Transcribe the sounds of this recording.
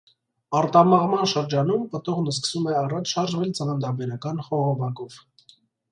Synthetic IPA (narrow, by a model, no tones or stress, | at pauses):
ɑɾt̪ɑmɑʁmɑnʃəɾd͡ʒɑnumpət̪ɔʁnəskə̥sumɛɑrɑt͡ʃʰʃɑɾʒvɛlt͡sənɑnd̪ɑbɛɾɑkɑnχɔʁɔvɑkɔv̥